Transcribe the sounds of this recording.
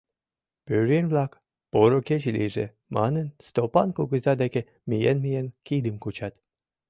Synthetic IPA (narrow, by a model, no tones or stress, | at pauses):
pyɾenʲvlɑk | poɾoket͡ɕlʲḭʒḛ | mɑ̰nə̆nst̪opɑnkuɡəzɑd̪æke | mijḛnmijenkid̪əmkut͡ɕɑt̪